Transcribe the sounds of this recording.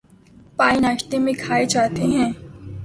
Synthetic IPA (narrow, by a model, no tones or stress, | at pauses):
paːinaːʃt̪emẽkʰaːed͡ʒaːt̪eɦɛ̃ː